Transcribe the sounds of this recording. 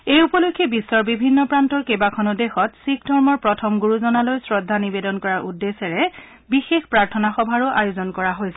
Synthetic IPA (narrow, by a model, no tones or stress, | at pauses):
ejupɔlokʰːebisːɔɹbibʱinːɔpɹantɔɹkebakʰɔnudexɔtsikdʱɔɹmɔɹpɹɔtʰɔmɡuɹuzɔnalojsɹɔdʱːanibedɔnkɔɹaɹʔudːesɛɹɛ | bixexpɹaɹtʰɔnaxɔbʱaɹʊʔajozɔnkɔɹaɦojsɛ̥